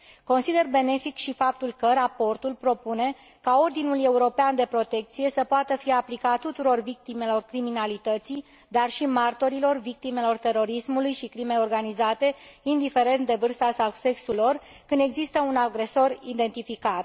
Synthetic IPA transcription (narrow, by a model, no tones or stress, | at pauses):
ko̞nsid̪e̞rbe̞ne̞fikʃifap̚t̪ulkəɾapo̞rt̪ulpɾo̞pune̞ | kao̞rd̪inule̞uɾo̞peand̪e̞pɾo̞t̪e̞k̚t̪sije̞səpoat̪əfijaplikat̪ut̪uɾo̞rvik̚t̪ime̞lo̞rkɾiminalit̪ət̪si | d̪arʃimart̪o̞ɾilo̞rvik̚t̪ime̞lo̞rt̪e̞ɾo̞ɾismulujʃikɾime̞jo̞rɡanizat̪e̞ind̪ife̞ɾe̞nt̪̚d̪e̞vɨrst̪asase̞ksulo̞r | kɨnd̪e̞ɡzist̪əunaɡɾe̞so̞rid̪e̞nt̪ifikat̪